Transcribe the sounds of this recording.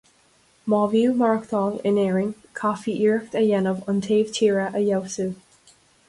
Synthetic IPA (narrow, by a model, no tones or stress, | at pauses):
mɔːvjuːmaɹkt̪ʰɔlɪ̰nɛːɹɪŋ | kʰafiʔiɹk̚təjɛnəvəntʰeːv̥tʰiːɹəʔəjɛwsu